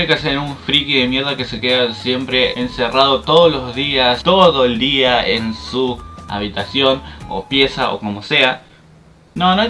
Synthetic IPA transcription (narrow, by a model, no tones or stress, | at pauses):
ekeaseɾuɱfɾikiðe̞mje̞ɾðake̞se̞ke̞ðasje̞mpɾe̞ense̞raðot̪o̞ðolo̞zðiast̪o̞ðoeld̪iaensua̰βit̪asjo̞no̞̰pje̞saʔo̞̰ko̞mo̞se̞a | nono